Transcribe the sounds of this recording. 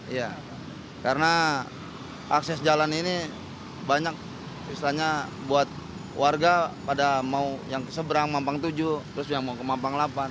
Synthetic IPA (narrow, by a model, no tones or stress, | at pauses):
ija | kaɾəna | aksɛsd͡ʒalanini | baɲak̚ | islaɲabuat̪̚ | warɡapadamaujaŋkə̥səbəɾaŋmampaŋt̪ud͡ʒut̪əɾʊs̬aŋmaukəmampaŋlapan